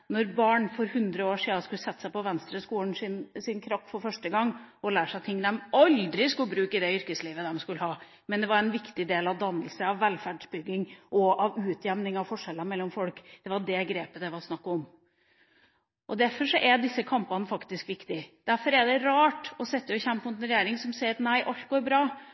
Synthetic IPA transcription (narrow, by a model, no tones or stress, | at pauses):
nɔɾbɑːɳfɔɾhʉnd̪ɾəoːʂiːd̪ɑskʉlːəsɛt̪ːə̥sæɪpɔʋɛnst̪ɾəskuːln̩ɪnsɪnkʰɾɑpːfɔɾfœʂʈəɡɑŋːɔlæːʂæɪt̪ʰɪŋːd̪ɛmɑld̪ɾɪskʉlːəbɾʉːkɪd̪ɛʏɾkəsliːʋəd̪ɛmskʉlːəhɑː | mɛnd̪ɛʋɑɾɛnʋɪkt̪ɪd̪eːlɑʋd̪ɑnːəlsəɑʋːɛlfæɖʂbʏɡːɪŋʔɔʔɑʋʉːt̪ʰjɛmnɪŋɑʋfɔʂɛlːəmɛlːɔmfɔlkd̪̥ɛʋɑɖɛɡɾeːpəd̪ɛʋɑɾsnɑkːɔm | ʔɔd̪æɾfɔʂɔʔɛɖ̪ɪsːəkʰɑmpɑnəfɑkt̪ɪskʋɪkt̪ɪd̪̥æɾfɔɾɛɖɛɾɑːʈɔsɛt̪ːəɔçɛmpəmʊt̪ɛnɾɛjeːɾɪŋsɔmsɛɪt̪næɪʔɑlt̪ɡoːɾbɾɑː